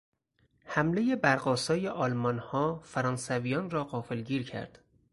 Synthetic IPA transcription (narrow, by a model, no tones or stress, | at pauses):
hæmle̞je̞bæɾɢɒːsɒːje̞ʔɒːlmɒnhɒːfæɾɒːnsævijɒːnrɒːɢɒːfelɟiːɾcʰæ̰ɾd̪̥